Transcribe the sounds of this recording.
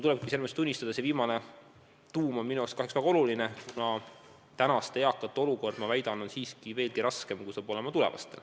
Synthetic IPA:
t̪uleb̥̚kise̞lmest̪unʲːist̪ɑd̪ɑseviːmɑne̞ | t̪uːmo̞nminuekskɑɦeksvæɡ̥ɑo̞lulinekunɑ | t̪ænɑst̪eɑkːˑɑt̪ːˑo̞luko̞rd̪̥mɑvæjd̪̥ɑnonsiːskive̞ːlɡiɾɑske̞mkujsɑːb̥o̞le̞mɑt̪ulɛ̞̰vɑ̰st̪e̞̰l

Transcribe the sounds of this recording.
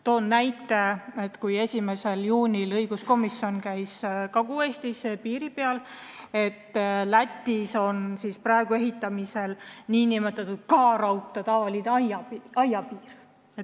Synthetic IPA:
t̪o̞ːnnæjt̪ːˑe̞e̞t̪kuje̞sʲime̞se̞ljuːnʲilɤjɡusko̞misːio̞nkæjskɑɡue̞ːst̪isepiːɾipeɑle̞t̪ːlæt̪ʲːˑiso̞nsisprɑe̞ɡ̥ue̞ɦit̪ˑːɑmise̞lniːnimet̪ːˑɑt̪ːˑud̪̥̚kɑːɾɑwt̪ːˑɑt̪ɑvɑlineɑjɑiɑjɑpiːr | e

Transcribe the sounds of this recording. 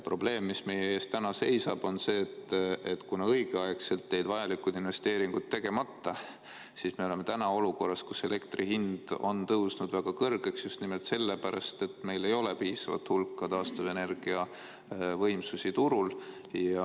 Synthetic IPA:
pro̞b̥le̞ːmːisme̞jee̞ːst̪t̪ænɑse̞jsɑb̥o̞nse̞ːt̪ːˑet̪kunɑɤjɡ̥eɑekse̞lt̪ːe̞jd̪̥vɑjɑlikud̪inve̞st̪eːɾiŋɡ̥ud̪̥t̪ːe̞ɡ̥e̞mɑt̪ːɑ | sisme̞o̞le̞me̞t̪ænɑo̞luko̞rːɑskuse̞le̞kt̪riɦind̪̥o̞̰nt̪ɤwsnud̪væɡ̥ɑkɤrɡ̥e̞ksjust̪nimelt̪se̞lːe̞pæɾɑ̰st̪e̞t̪ːme̞jle̞jo̞le̞piːsɑvɑ̰t̪ːhulkˑːɑt̪ɑːst̪ɑve̞ne̞rɡ̥iɑ | vɤjmsusit̪uɾul | jɑ

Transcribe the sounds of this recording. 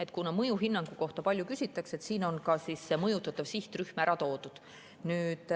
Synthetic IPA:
et̪ːˑkunɑmɤjuɦinːɑŋɡ̥uko̞ht̪ɑpɑlʲjukysit̪ːˑɑkse̞t̪siːno̞nkɑsiːsːemɤjut̪ːˑɑt̪ːˑɑv̥siht̪ryhmæɾɑt̪o̞ːd̪̥ud̪̥ | nyːd̪

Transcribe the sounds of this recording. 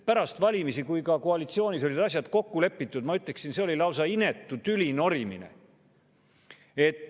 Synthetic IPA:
pæɾɑst̪vɑlʲimisikujkɑko̞ɑlit̪sio̞ːnisolid̪̥ɑs̬ʲjɑd̪̥ko̞kːule̞pːit̪ːˑud̪mɑyt̪le̞ksinse̞o̞lʲilɑwsɑine̞t̪ːut̪ylʲino̞ɾimḭne̞̰ | e̞t̪ːˑ

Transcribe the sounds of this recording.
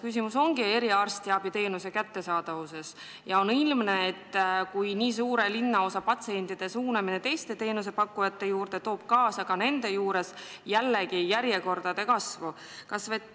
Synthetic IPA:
kys̬imuso̞ŋɡ̥ie̞ɾiɑrst̪iɑb̥it̪e̞ːnuse̞kæt̪ːe̞sɑːd̪̥ɑvuse̞s | jɑo̞nilmne̞ːt̪ːkujniːs̬uːɾe̞linːɑo̞sɑpɑt̪seenʲt̪id̪̥e̞suːnɑminet̪e̞jst̪e̞t̪e̞ːnuse̞pɑkːujɑt̪ːe̞juːrd̪̥e̞t̪o̞ːb̥̚kɑːsɑɡ̥ɑne̞nd̪̥e̞juːɾe̞s | jælːeɡijæɾje̞ko̞rd̪̥ɑd̪̥e̞kɑsvu | kɑsve

